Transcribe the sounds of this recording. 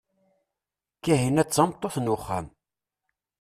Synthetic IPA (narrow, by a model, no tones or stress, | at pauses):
kːæɦinæt͡sːɑmt̪ˤːoθnʊχːam